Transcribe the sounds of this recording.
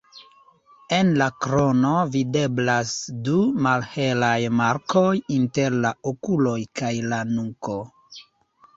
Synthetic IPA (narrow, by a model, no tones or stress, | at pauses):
e̞nlakɾo̞no̞vide̞blasdumalhe̞lajmaɾkʰojinte̞ɾlaokulo̞jkajlanuko̞